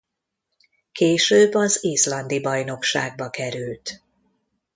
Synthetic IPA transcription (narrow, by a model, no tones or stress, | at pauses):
keːʃøːbːɒziːslɒnd̪ibɒjno̞kʃaːɡ̚bɒkɛɾylt̪